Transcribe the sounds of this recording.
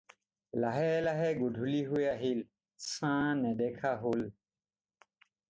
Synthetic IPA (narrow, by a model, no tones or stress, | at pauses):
laɦɛlaɦɛɡuɖʱuliɦueaɦil | sãnɛd̪ɛkʰaɦol